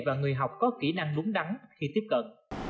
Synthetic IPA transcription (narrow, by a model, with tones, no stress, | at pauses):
vaː˨˩ŋɨ˨˩əjɦa˨˩wk͡p̚kɔ˨˦ki˧˩na˧ŋlu˨˦əŋɗa˨˦nxi˧t̪i˦˥əp̚kə̰˧˨n